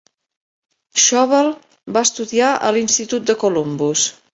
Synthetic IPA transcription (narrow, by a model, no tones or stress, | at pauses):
ʃɔβəlˠ | baəst̪uðiaʔə̰linst̪it̪ut̪̚d̪əkulombus